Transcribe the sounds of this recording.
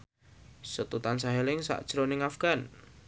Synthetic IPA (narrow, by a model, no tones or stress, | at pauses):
sət̪ut̪ansaɦelɪŋsa̰ʔd̥ʒ̥ɾonɪŋafɡ̥an